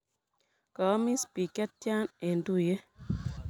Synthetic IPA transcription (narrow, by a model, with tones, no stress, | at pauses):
ka˨˦mi˦spi˨kɛ˦t̚t͡ʃa˦ne˨ndu˦˨je˦